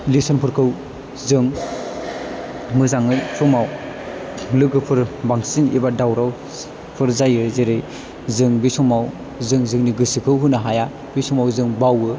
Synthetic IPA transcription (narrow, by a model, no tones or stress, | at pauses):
lisɔnpʰɯɾkʰɯw | zɯŋ | mɯzaŋɯjsɔmaw | lɯɡɯpʰɯɾbaŋsinḭbadawɾaw | pʰɯɾzajɯzeɾɯj | zɯŋbisɔmaw | zɯŋzɯŋniɡɯsikʰɯwɦɯnaɦaja | b̥isɔmawzɯŋbawɯ